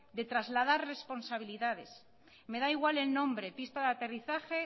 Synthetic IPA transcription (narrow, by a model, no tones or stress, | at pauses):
d̪e̞t̪ɾazlað̞aɾre̞spo̞nsaβ̞iliðað̞e̞s | me̞ðaiɣwale̞lnõ̞mbɾepist̪aðat̪e̞riθaxe̞